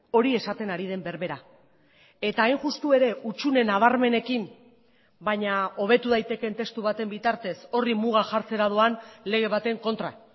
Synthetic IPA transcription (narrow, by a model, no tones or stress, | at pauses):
o̞ɾie̞sat̪e̞naɾið̞e̞mbe̞ɾβe̞ɾa | e̞t̪aːjnʝust̪ue̞ɾe̞ut͡ʃune̞naβ̞aɾme̞ne̞kim | baɲao̞βe̞t̪uð̞ajt̪e̞ke̞nt̪e̞st̪uβat̪e̞mbit̪aɾt̪e̞so̞rimuɣ̞aʝaɾt͡se̞ɾað̞oanle̞ɣ̞e̞β̞at̪e̞ŋko̞nt̪ɾa̰